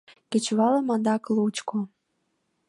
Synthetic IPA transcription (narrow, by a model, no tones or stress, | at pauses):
ket͡ɕβɑləmɑnd̪ɑklut͡ɕko